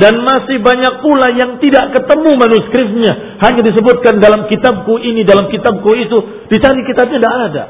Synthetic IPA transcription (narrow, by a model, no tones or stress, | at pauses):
danmasɪhbaɲak̚pulajaŋt̪idaʔkət̪əmumanuskɾɪt̪̚ɲa | haɲadis̬əbʊt̪̚kandalamkit̪ab̚kuʔinidalamkit̪ab̚kuit̪u | dit͡ʃaɾikit̪ab̚ɲadaʔada